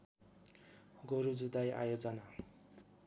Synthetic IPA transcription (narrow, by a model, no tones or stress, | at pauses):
ɡoɾud͡zud̪aja̰jod͡zʌna